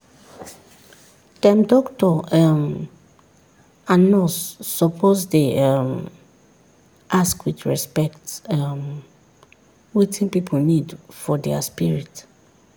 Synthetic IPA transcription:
d̥ɛ̃mdɔktʰɔɛm | ãnɔsːɔpʰozdeɛm | ʔaskwiθɹɛspɛktɛm | wetʰĩnpipʰonĩdfɔdɛaspiɹit

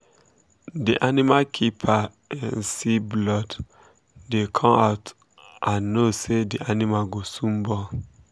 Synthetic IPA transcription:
diʔanimakʰipʰa | ɛ̃nsiblɔd | dekʰɔ̃maʊt | ʔãnːosediʔanimaɡosũmbɔ

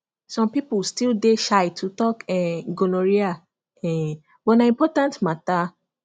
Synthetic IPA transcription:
sɔ̃mpipustildeʃajtʰutɔkɛɡonoɾia | ɛ̃ | bɔnãĩmpɔtãntmata

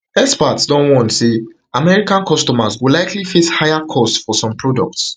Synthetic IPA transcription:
ɛspatsdɔ̃nwɔ̃ntse | amɛɹikãnkɔstɔmazwilajklifishaɪjakʰɔstfɔsɔ̃mpɹɔdɔk̚ts

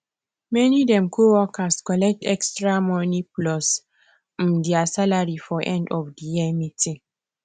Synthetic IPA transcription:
mɛnidɛ̃mkʰowɔkaskɔlɛk̚tɛkstɹamɔniplɔs | m̩diasalaɹifɔʔɛ̃ndɔfdijɛmitĩŋ

